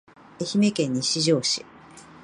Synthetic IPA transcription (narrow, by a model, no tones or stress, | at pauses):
e̞çime̞kẽ̞ɲ̟ːiɕiʑo̞ːɕi̥